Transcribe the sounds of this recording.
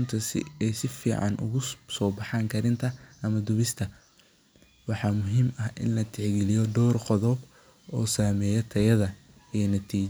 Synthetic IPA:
nt̪ʰɐsɛjsɪfiːʕɑ̰nʔʊ̰ɣʊsɔːbɑħɑːŋkʰɐɾɪnt̪ʰɐʔɐmɐd̪ʊβɪst̪ʰɐ | wɑħɑːmʊɦiːmɐhʔɪ̰nlɐt̪ʰɪʕɡɪlɪjɔd̪ɔːrqɔðɔb | ɔːsaːmɛːjɛt̪ʰɐjɐðɐ | ijnɐt̪ʰiː

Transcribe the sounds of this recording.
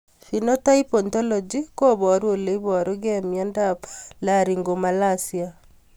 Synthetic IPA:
finotaipɔntɔlɔd͡ʒikoβɔɾwoleiβɔɾoɣemjandaplaɾiŋɡomalasja

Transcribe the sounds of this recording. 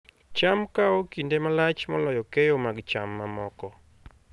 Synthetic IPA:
t͡ʃamkaɔkindemalat͡ʃmɔlɔjɔkejomaɡt͡ʃamːamɔkɔ

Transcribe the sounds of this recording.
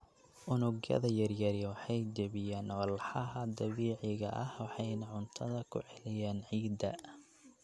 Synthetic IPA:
ʔʊnʊɡjɐ̰ðɐjɐrjɐɾjɐwɑħɑjd͡ʒɐβɪjaːnɔlħɑɦɐd̪ɐβiːʕɪɣɐ̰ʔɐhwɑħɑjnɐʕʊnt̪ʰɐðɐkʰʊʕɛlɪjaːnʕiːd̪ɐ

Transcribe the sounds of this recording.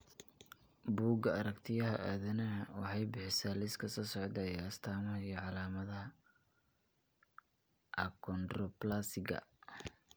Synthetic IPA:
buːɡɐɐɾɐkt̪ʰɪjɐɦɐʔaːðɐnɐwɑħɑjbɪħɪsaːlɪskʰɐsɔːsɔʕd̪ɐjɐst̪ʰaːmɐɦɐijɞʕɑlaːmɐðɐɦɐ | ʔɐkʰɔnd̪rɔplaːsɪɡɐ̰

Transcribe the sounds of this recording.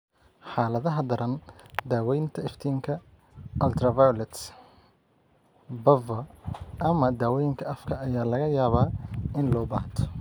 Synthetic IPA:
ħaːlɐðɐɦɐd̪ɐɾɐnd̪aːwɛjnt̪ʰɐɪft̪ʰiːŋkʰɐ | ʔɐlt̪ʰɾɐvajlɛt̪s | bɐvɐʔɐmɐd̪aːwɔjɪŋkʰɐɐfkʰɐɐjaːlɐɣɐjaːβaːɪnlɔːba̰ːht̪ʰɔ̥

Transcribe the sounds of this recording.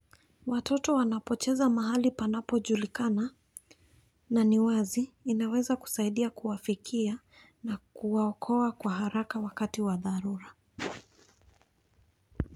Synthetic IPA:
watɔtɔwanapɔt͡ʃɛzamaɦalipanapɔʄulikana | naniwaziːnawɛzaku̥saiɗiakuwafikʰia | nakuwaɔkʰɔakwaɦaɾakawakatiwaðaɾuɾa

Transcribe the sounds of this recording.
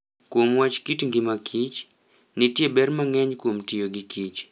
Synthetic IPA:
kwomwat͡ʃkitŋɡimakʰit͡ʃ | nitjɛbɛrmaŋɛɲkom̩tijoɡikʰit͡ʃ

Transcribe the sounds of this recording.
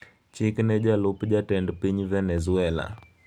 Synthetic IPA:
t͡ʃiknɛʄalupd͡ʒatɛndpiɲivɛnɛzuɛla̰

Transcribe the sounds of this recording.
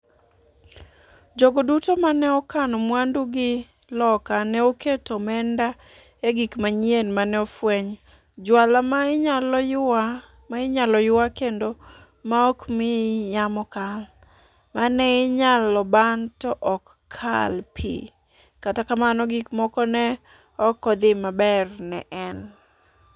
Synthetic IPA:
d͡ʒoɡodutomanɛɔkanɔmwanduɡɪ | lɔkanɛoketomɛnda | eɡikmaɲjenmanɛɔfwɛɲ | d͡ʒwalamal | maɪɲalɔjʊwakendo | maɔkmɪjamɔkal | manɛɪɲalɔbantɔʔɔkʰːa̰lpʰḭ | katakamanɔɡikmɔkɔnɛ | ɔkːɔd̪ɪmabɛrnɛ̰ʔɛn

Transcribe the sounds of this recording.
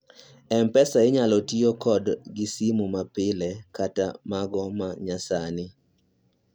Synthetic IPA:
ɛmpɛsaɪɲalɔtiokɔdɡɪsimumapɪlɛkata̰maɡɔmaɲasanɪ

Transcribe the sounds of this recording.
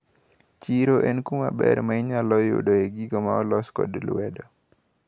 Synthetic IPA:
t͡ʃiɾoʔɛnkumabɛɾmaɪɲalɔjo̰doeɡiɡomaɔlɔskɔ̰dlwɛdɔ

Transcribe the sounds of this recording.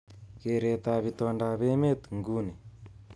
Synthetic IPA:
keɾet̪aβit̪ɔɳdaβemet̪uŋɡune

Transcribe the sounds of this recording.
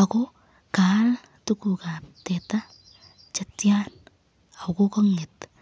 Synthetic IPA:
ako | kal | tukukatɛta | t͡ʃatjan | akokɔŋɪt

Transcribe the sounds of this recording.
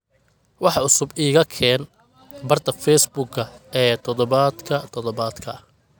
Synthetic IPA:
wɑħɑʊsʊbiːɣɐkʰɛːn | bɐrt̪ʰɐfɛjsbʊɡɐɛːt̪ʰɔðɔβaːd̪kʰɐt̪ʰɔðɔβaːd̪kʰɐ

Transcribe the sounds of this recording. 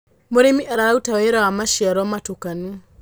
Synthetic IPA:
moɾemiʔaɾaɾautaweɾawamaʃiaɾɔmatokanu

